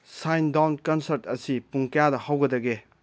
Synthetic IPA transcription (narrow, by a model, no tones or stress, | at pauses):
sajndawnkɐnsɐɾtɐsipuŋkɐjadɐhawɡɐdɐɡe